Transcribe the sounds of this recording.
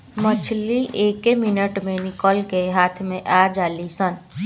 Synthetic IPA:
mət͡ʃʰliʔeːkemɪnəʈmẽnɪkɔːlkeɦaːt̪ʰmẽʔaːd͡ʒaːlisən

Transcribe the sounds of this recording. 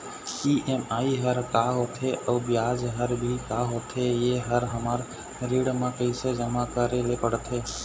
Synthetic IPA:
iːʔeːmaːiɦəɾkaːɦoːt̪ʰeʔəːbjaːd͡ʒɦəɾbʱikaːɦoːt̪ʰejeɦəɾɦəmaːɾ | ɾiːɽmãkəɪsed͡ʒəmakəɾelepəɽt̪ʰeː

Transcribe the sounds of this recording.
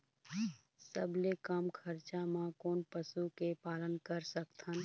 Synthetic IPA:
səblekəmkʰɐɾt͡ʃamãkoːnpəsukepaːlənkəɾsəkt̪ʰən

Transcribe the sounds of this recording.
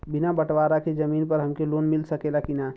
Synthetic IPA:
bɪnabəʈʋaːɾaked͡ʒəmiːnpəɾɦəmkeloːnmɪlsəkelakina

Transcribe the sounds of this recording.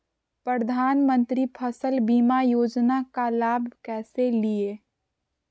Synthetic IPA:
pɾəd̪ʱaːnmə̃nt̪ɾipʰəsəlbiːmajoːd͡ʒnakalaːbʱkɛːselie

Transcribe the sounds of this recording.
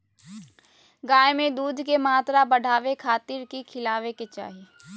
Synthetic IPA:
ɡaːjemẽd̪uːd̪ʱkemaːt̪ɾabɐɽʱaːʋekʰaːt̪ɪɾkikʰɪlaːʋeket͡ʃa̰ːɦije

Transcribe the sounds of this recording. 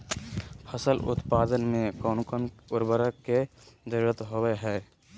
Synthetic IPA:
pʰəsəlʔʊ̰t̪paːd̪ənmẽkɔːnkənʊɾbəɾəkked͡ʒəɾuɾət̪ɦoweɦɛː

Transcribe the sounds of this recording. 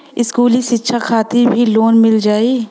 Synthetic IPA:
ɪskuːlisɪtːʃʰakʰaːt̪ibʱiloːnmɪld͡ʒaːeː

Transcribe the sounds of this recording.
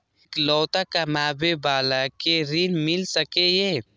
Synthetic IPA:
klɔːt̪akamaːbebaːlakeɾinmɪlsəkejeː

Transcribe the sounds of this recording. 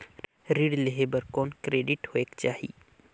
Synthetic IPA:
ɾiɽleɦebəɾkɔːnkɾeːɖɪʈhoeːkt͡ʃaːɦḭ

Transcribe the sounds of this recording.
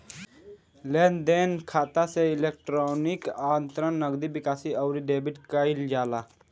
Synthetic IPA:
leːnd̪eːnkʰaːt̪aseɪleːk̚ʈɾoːnikaːnt̪ɾənːəɡd̪ibɪkaːsiəwɾiɖeːbiʈkəild͡ʒaːlaː

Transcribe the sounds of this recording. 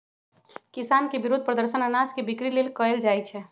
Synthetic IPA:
kisankebiɾud̪̚ʱpɾəd̪əɾsənənad͡ʒkebikɾilelkəeld͡ʒajt͡ʃʰɛ

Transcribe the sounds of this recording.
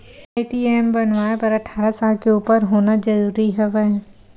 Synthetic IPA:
aːɪʈiːeːmbɐnʋaːepɐɾɐʈʰaːɾasaːlkʰeuːpəɾɦoːnad͡ʒɐɾuːɾiɦɐʋə

